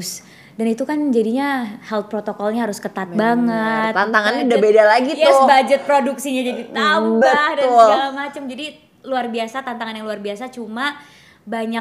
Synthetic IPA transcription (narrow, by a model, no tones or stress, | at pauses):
s | danit̪ukand͡ʒadiɲahɛlpɾot̪okɔlɲaɦaɾʊskət̪at̪̚baŋət̪t̪ant̪aŋanɲadabedalaɡijɛʊsbad͡ʒɛt̪̚pɾoduksiɲad͡ʒadit̪ambahdaʊaŋamat͡ʃəmd͡ʒadi | luarbiasat̪ant̪aŋanjaŋluarbiasat͡ʃuma | baɲa